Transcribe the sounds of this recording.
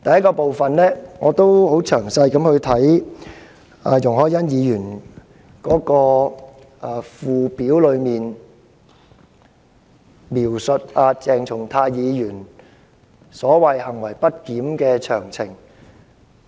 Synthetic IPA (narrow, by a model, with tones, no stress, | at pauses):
t̪ɐ˨jɐ˥t̚kːɔː˧po˨wfɐ˨nlɛː˥ŋɔː˨˧t̪o˥who˨˥wt͡ʃʰœː˨˩ŋsɐ˧jkɐ˨˧˥mhɵ˧ɥt̪ʰɐ˨˥j | a̰˨˧jʊ˨ŋhɔː˨˥jɐ˥njiː˨˧jyː˨˩n | kɔː˨˥kɔː˧ | ʔaː˨fuː˨˩piː˨˥wlɵ˨˧ɥmiː˨n | miː˨˩wsɵ˨t̚aː˧t͡sɛː˨ŋt͡sʰʊ˨˩ŋt̪ʰaː˧jjiː˨˧jyː˨˩n | sɔː˨˥wɐ˨jhɐ˨˩ŋwɐ˨˩jpɐ˥t̚kiː˨˥mkɛː˧t͡ʃʰœː˨˩ŋt͡sʰɪ˨˩ŋ